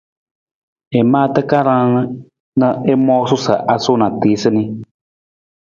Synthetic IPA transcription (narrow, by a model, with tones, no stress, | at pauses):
e˨mãː˦t̪ə˦ka˦ɾã˦nɨ˦ | nə˦e˦mɔ˦sʊ˦sə̰˨ʔa˨sʊ˦nã˨t̪i˨˦sɨ˦ni˦